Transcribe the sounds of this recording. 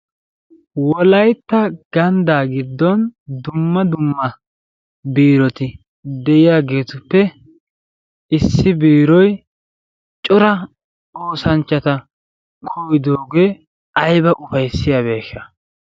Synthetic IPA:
wɔlɐjt̪ːɐɡ̥ɐnd̪aːɡɪd̪ːɔnd̪ʊmːɐd̪ʊmːɐ | biːɾɔt̪ɪ | d̪ɛʔɪjaːɡe̞ːt̪ʊpːɛ | ɪsːɪbiːɾɔj | t͡ʃʼʊɾɐ | o̞ːsɐnt͡ʃːɐt̪ɐ | kʰɔwɪd̪oːɡeː | ɐjbɐʔʊfɐjsːɪjabe̞ːʃːɐ

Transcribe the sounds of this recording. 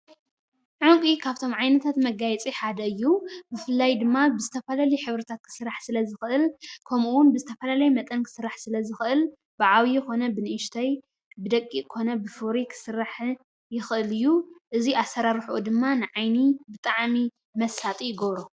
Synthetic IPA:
ʕuŋkʼikʰaβt̪ʰo̞mʕajnɐt̪ʰat̪mɐɡajɛt͡sʼiħad̪ɐɨjːubɨfɨlːajd̪ɨmːabɨzɨt̪ʰɐfɐlaliħɨβɾɨt̪ʰat̪̚kʰɨ̥sɨɾaħsɨlɐzɨxɨʔɨlkʰɐmuwʊnbɨzɨt̪ʰɐfɐlalɐjmɐt̪ʼɐnkʰɨ̥sɨɾːaħsɨlɐzɨxɨʔɨl | b̥ɨʕawijɪxo̞nɐbɨnɨʔʃt̪ʰaj | bɨd̪ɐkʼːikʰo̞nɐbɨfɨɾikʰɨ̥sɨraħ | jɪxʔɨlɨjːuʔɨziʔasːɐɾaɾħuʔud̪ɨmːanɨʕajnibɨt̪ʼaʕmi | mɐsat̪ʼijɪɡɐβɾo

